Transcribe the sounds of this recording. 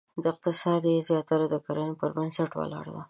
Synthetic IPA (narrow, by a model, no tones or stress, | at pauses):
d̪əɪq̚t̪ɪsɑd̪jezjɑt̪aɾad̪əkaɾanopəɾbansaʈwa̰lɑ̰ɾd̪a